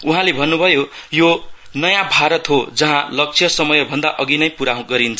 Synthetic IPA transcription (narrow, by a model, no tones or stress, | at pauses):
uɦãlebʱʌnːubʱʌjojo | nʌjãbʱaɾʌt̪ɦod͡zʌɦãlʌk̚t͡sʰjʌsʌmʌjʌbʱʌnd̪aʔʌɡinʌjpuɾaɦoɡʌɾint͡sʰʌ